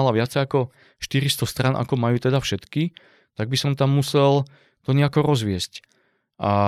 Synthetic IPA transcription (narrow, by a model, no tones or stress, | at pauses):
alaʋɪat͡sɛjakɔ | ʃt̪iɾist̪ɔst̪ɾanʔa̰kɔmajuːt̪ɛd̪afʃɛt̪ki | t̪aɡ̚bisɔmt̪amːusɛl | t̪ɔɲɛakɔɾɔzʋɪɛsc | ʔa